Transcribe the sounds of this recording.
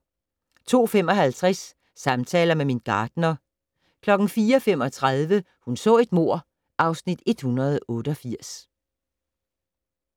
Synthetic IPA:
t͡sʰo̝̰ːfem̰ɒ̽ɦælt͡sʰʁasː | ɑ̈mt͡sʰɛ̰ːlɐmeminɡ̥ɑ̈ːd̥nɐ | kʰlɒ̽ɡ̥n̩fiːɐɒfem̰ɒ̽t͡sʰʁaðˠʋə | hunsɔ̰̽ːe̝d̥mo̝ɐ̰ | ʔɑ̈ʊsnid̥e̝d̥hunɐð̞ˠɔ̽ːɾ̥əɒ̽fiɐ̰s

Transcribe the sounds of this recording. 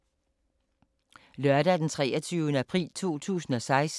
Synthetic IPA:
lɶɐɾ̥æd̥ent͡sʰʁɛ̰ːɐt͡sʰyːʊnəæpʰʁḭːlt͡sʰo̝̰ːt͡sʰṵːsn̩ɒ̽sɑ̈ɪs

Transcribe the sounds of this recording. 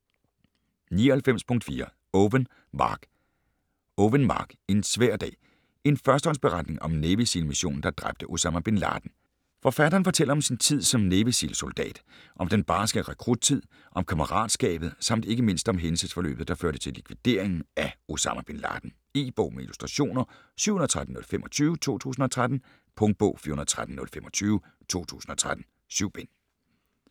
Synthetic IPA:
nḭːɒhelfem̰spʰɔ̽ŋ̰d̥fiːɐ | ʋn | mɑ̰ːɡ̥ | oʋənmɑ̰̈ːɡ̥e̝nsʋæɐ̰d̥ɛ̰ː | e̝nfɶɐsd̥əɒ̽nsb̥e̝ʁɑ̈d̥ne̝ŋʔɒ̽mneʋisilmiɕo̝̰ːn̩d̥ɑ̈d̥ʁab̥̚d̥əʔo̝sɑmæb̥e̝nlɑ̰̈ːd̥n̩ | fɒ̽fæɾ̥ɐːnfɒ̽t͡sʰel̰ɐɒ̽msint͡sʰið̰ˠsɒ̽mneʋisḭlso̝ld̥ɛ̰ːd̥ | ʔɒ̽md̥enb̥ɑ̈ːsɡ̥əʁɛkʰʁud̥̚t͡sʰið̞̰ˠ | ʔɒ̽mkʰɑməʁɑ̰̈ːd̥sɡ̥ɛ̰ːb̥ð̩ˠsɑ̈m̰d̥e̝ɡ̥əme̝n̰sd̥ɒ̽mɦensəsfɒ̽lø̰ːb̥ð̩ˠd̥ɑ̈føɐɾ̥ət͡sʰe̝likʰʋid̥e̝̰ɐ̰eŋn̩æo̝sɑ̈mæb̥e̝nlɑ̰̈ːd̥n̩ | iːb̥ɔʊ̰meilusd̥ʁɑɕo̝̰ːnɐ | sy̰ʊhunðˠt͡sʰʁad̥n̩ːɔ̽lfemʔɒ̽t͡sʰyːʊət͡sʰo̝̰ːt͡sʰṵːsn̩ɒ̽t͡sʰʁad̥n̩ | pʰɔ̽ŋd̥̚b̥ɔ̽ʊfḭɐhunɐð̩ˠt͡sʰʁad̥̚n̩nɔ̽lfemɒ̽t͡sʰyːʊ | t͡sʰo̝̰ːt͡sʰṵːsn̩ɒ̽t͡sʰʁad̥n̩ | syʊ̰b̥en

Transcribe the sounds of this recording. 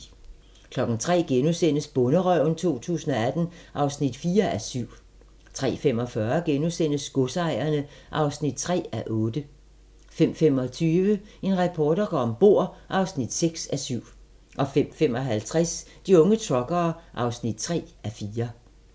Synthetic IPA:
kʰlɒ̽ɡ̥n̩t͡sʰʁɛ̰ːɡ̥enusen̰əsb̥ɔ̽nəʁœʊ̰nt͡sʰo̝̰ːt͡sʰṵːsn̩ɒ̽æd̥n̩ʔɑ̈ʊsnid̥fiːɐæsyʊ̰ | t͡sʰʁɛ̰ːfem̰ɒ̽fɶːɐɡ̥enusen̰əsɡ̥ɔsɑ̈ɪ̰ɐnəʔɑ̈ʊsnid̥̚t͡sʰʁɛ̰ːæʔɔ̽ːd̥ə | fem̰fem̰ɒ̽t͡sʰyːʋəe̝nʁɛpʰɒːd̥ɐɡ̥ɒɒmb̥o̝ɐ̰ʔɑ̈ʊsnid̥seɡ̥sæsyʊ̰ | ʔɒ̽fem̰femɒ̽ɦælt͡sʰʁasd̥iɔ̽ŋət͡sʰʁɒ̽ɡ̥ɐːʔɑ̈ʊsnid̥̚t͡sʰʁɛ̰ːæfiːɐ

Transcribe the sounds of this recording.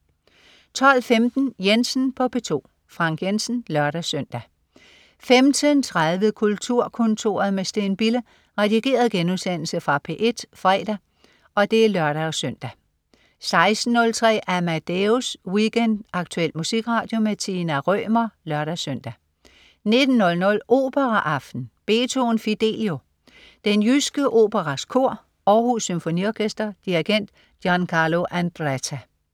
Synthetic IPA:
t͡sʰɒ̽l̰femd̥n̩jensn̩pʰɒ̽pʰe̝t͡sʰo̝̰ː | fʁɑ̈ŋ̰ɡ̥jensn̩lɶɐɾæsøn̰d̥æ | femd̥ʰənt͡sʰʁaðˠʋəðkʰult͡sʰuɐ̰kʰɔ̽nt͡sʰo̝̰ːɐðˠmesd̥eːnb̥ilə | ʁɛd̥iɡ̥e̝̰ːɐð̞̩ˠɡ̥enuðˠsen̰l̩səfʁɑ̈pʰe̝̰ːʔe̝d̥fʁɛ̰ːd̥æ | ʔɒ̽d̥e̝æɐlɶɐɾ̥æɒsøn̰d̥æ | sɑ̈ɪsd̥n̩ːɔ̽lt͡sʰʁɛ̰ːʔæɐmæd̥euswiɡ̥end̥ɑ̈ɡ̥̚t͡sʰuel̰̥musiɡ̥ʁɑ̈ːd̥jo̝met͡sʰinæʁœ̰ːmɐlɶɐɾ̥æsøn̰d̥æ | ne̝d̥n̩ːɔ̽lnɔ̽lʔo̝̰ːb̥əʁɑʔɑ̈fd̥n̩b̥e̝ːt͡sʰo̝nfid̥e̝̰ːljo̝ | d̥enjysɡ̥əʔo̝̰ːb̥əʁɑskʰo̝ɐ̰ | ɒːhusːymfo̝niɒkʰesd̥ɐd̥iiɡ̥en̰d̥ | jɒnkʰɑ̈lo̝ʔænd̥ʁæt͡sʰæ

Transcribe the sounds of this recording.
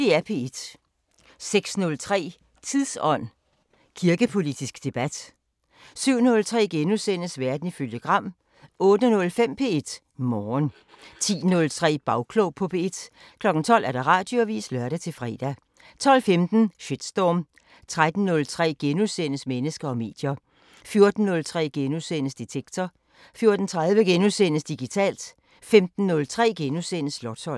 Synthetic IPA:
e̝ːæɐpʰe̝ːed̥ | seɡ̥snɔ̽lt͡sʰʁɛ̰ː | t͡sʰiðˠsɒ̽n̰ | kʰiɐɡ̥əpʰo̝lid̥isɡ̥d̥e̝b̥æd̥ | syʊ̰nɔ̽lt͡sʰʁɛ̰ːɡ̥enusen̰əsʋæɐd̥n̩iføljəɡ̥ʁɑ̈m̰ | ɔ̽ːd̥ənɔ̽lfem̰pʰe̝ːe̝d̥ | mɒːn | t͡sʰḭːnɔ̽lt͡sʰʁɛ̰ːb̥ɑ̈ʊkʰlopʰɒ̽pʰeed̥ | kʰlɒ̽ɡ̥n̩t͡sʰɒ̽l̰ʔæɐɾ̥ɑ̈ʁɑ̈ːd̥joʋḭːslɶɐɾæt͡sʰe̝lfʁɛ̰ːd̥æ | t͡sʰɒ̽l̰femd̥n̩ɕed̥sd̥ɒːm | t͡sʰʁad̥n̩ːɔ̽lt͡sʰʁɛ̰ːɡ̥enusenəsmenəsɡ̥ɐɒ̽me̝̰ːd̥jɐ | fjo̝ɐd̥n̩ːɔ̽lt͡sʰʁɛ̰ːɡ̥enusenəsd̥it͡sʰeɡ̥̚t͡sʰɒ | fjo̝ɐd̥n̩t͡sʰʁaðˠʋəɡ̥enusenəsd̥iɡ̥it͡sʰɛ̰ːld̥ | femd̥n̩ːɔ̽lt͡sʰʁɛ̰ːɡ̥enusenəslɒt͡sʰɒ̽l̰

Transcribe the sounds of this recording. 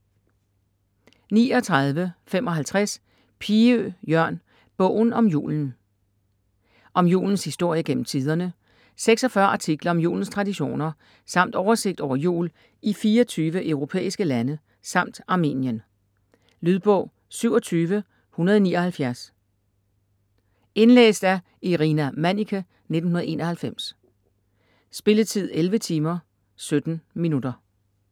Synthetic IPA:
nḭːɒ̽t͡sʰʁɑ̈ð̞ˠʋəfemɒ̽ɦælt͡sʰʁas | pʰiøjɶɐ̰n | b̥ɔ̽ʊ̰n̩ɒ̽mjṵːln̩ | ʔɒ̽mjṵːln̩shisd̥o̝ɐ̰jəɡ̥en̰m̩t͡sʰið̞ˠɐnə | seɡ̥sɒ̽fɶɐʔɑ̈t͡sʰiɡ̥lɐɒ̽mjṵːln̩st͡sʰʁɑ̈diɕo̝̰ːnɐ | sɑ̈m̰d̥ɒʊɐse̝ɡ̥̚d̥ɒʊ̰ɐjṵːl | ifiːɒt͡sʰyːʋəʔœʊʁo̝pʰḛːisɡ̥əlænə | sɑ̈m̰d̥ɑ̈mḭːnjən | lyðˠb̥ɔ̽ʊ | syʊɒt͡sʰyːʋə | hunɐðˠɒnḭːɒhælfjæɐs | e̝nlḛːsd̥æɐ | iʁinæmænikʰæ | ned̥n̩hunɐð̩ˠe̝ːnɐ̽hælfem̰s | sb̥e̝lət͡sʰið̞̰ˠelʋət͡sʰiːmɐ | sød̥n̩minudɐ

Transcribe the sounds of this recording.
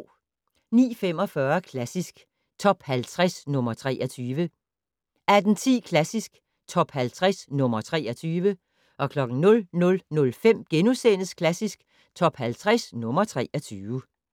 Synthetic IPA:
nḭːfem̰ɒ̽fɶɐkʰlæsisɡ̥ | t͡sʰɒ̽b̥hælt͡sʰʁɛsnɔ̽mɐt͡sʰʁɛ̰ːʔɐt͡sʰyːʋə | æd̥n̩t͡sʰḭːkʰlæsisɡ̥ | t͡sʰɒ̽b̥hælt͡sʰʁasnɔ̽mɐt͡sʰʁɛ̰ːɐt͡sʰyːʋə | ʔɒ̽kʰlɒ̽ɡ̥n̩nɔ̽lnɔ̽lnɔ̽lfem̰ɡ̥enusenəskʰlæsisɡ̥ | t͡sʰɒ̽b̥hælt͡sʰʁɛsnɔ̽mɐt͡sʰʁɛʔɒt͡sʰyː

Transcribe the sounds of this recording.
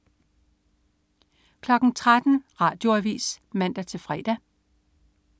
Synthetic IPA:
kʰlɒ̽ɡ̥n̩t͡sʰʁad̥n̩ʁɑ̈ːd̥jo̝æʋḭːsmæn̰d̥æt͡sʰe̝lfʁɛ̰ːd̥æ

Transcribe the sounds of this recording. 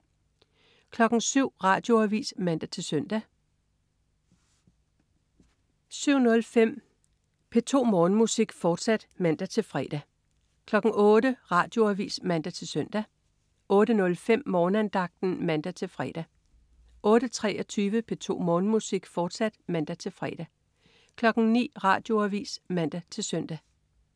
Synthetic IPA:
kʰlɒ̽ɡ̥n̩syʊ̰ʁɑ̈ːd̥jo̝æʋḭːsmænd̥æt͡sʰe̝lsœn̰d̥æ | syʊ̰nɔ̽lfem̰ | pʰe̝t͡sʰo̝̰ːmɒːnmusiɡ̥fɒːd̥sæd̥mænd̥æt͡sʰe̝lfʁɛ̰d̥æ | kʰlɒ̽ɡ̥ŋ̩ɔ̽ːɾəʁɑ̈ːd̥jo̝æʋḭːsmæn̰d̥æt͡sʰe̝lsœn̰d̥æ | ʔɔ̽ːɾ̥ənɔ̽lfem̰mɒːnænd̥ɑ̈ɡ̥̚d̥n̩mænd̥æt͡sʰe̝lfʁɛ̰d̥æ | ʔɔ̽ːɾ̥ət͡sʰʁɛɒt͡sʰyːʋəpʰe̝t͡sʰo̝̰ːmɔːnmusiɡ̥fɒːd̥sæd̥mænd̥æt͡sʰe̝lfʁɛd̥æ | kʰlɒ̽ɡ̥n̩nḭːʁɑ̰̈ːd̥jo̝æʋḭːsmænd̥æt͡sʰe̝lsœn̰d̥æ

